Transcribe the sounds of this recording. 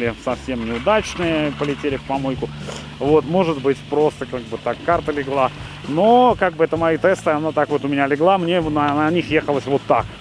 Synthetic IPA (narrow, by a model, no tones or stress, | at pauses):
lʲɪsɐfsʲe̞mnʲɪʊd̪at͡ɕnɨjəpəlʲɪtʲelʲɪfpɐmo̞jkʊ | vo̞t̪mo̞ʐɨt̪bɨtʲpɾo̞st̪əkaɡ̚bɨt̪akːart̪əlʲɪɡlˠa | no̞kaɡ̚bɨɛt̪əmɐit̪ɛst̪ɨɐnat̪akvo̞t̪ʊmʲɪnʲalʲɪɡlˠamnʲenɐnɐnʲixjexəlˠəsʲvo̞t̪ːak